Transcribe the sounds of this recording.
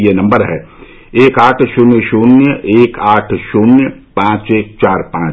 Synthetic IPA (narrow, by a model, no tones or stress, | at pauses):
jenɐ̃mbəɾɦɛː | eːkaːʈʰʃʊnjəʃuːnjəʔeːkaːʈʰʃuːnjəpãːt͡ʃeːk̚t͡ʃaːɾpãː